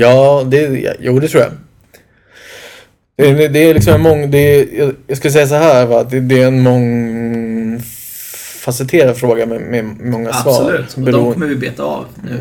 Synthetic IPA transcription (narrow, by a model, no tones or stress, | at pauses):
jɑːd̪ɛ̰juːd̪ɛt̪ʰɾuːja̰ | d̪ɛd̪ɛːlɪksɔmɛnmɔŋːd̪ɛjɑjɑɡskɵləsɛjːas̬ɔɦæːɾvat̪̚d̪ɛd̪ɛɛnmɔŋ | fasɛlt̪ʰeːɾad̪fɾoːɡamɛmɛmɔŋːasvɑ̰ːʉɛɾuːɔmːəvɪbeːt̪aɑ̰vnʉ